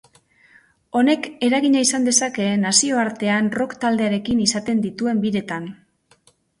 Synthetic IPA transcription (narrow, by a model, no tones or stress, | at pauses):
o̞ne̞ke̞ɾaɣiɲaisand̪e̞sake̞nasio̞aɾt̪e̞anro̞kt̪ald̪e̞aɾe̞kinisat̪e̞nd̪it̪ue̞mbiɾe̞t̪an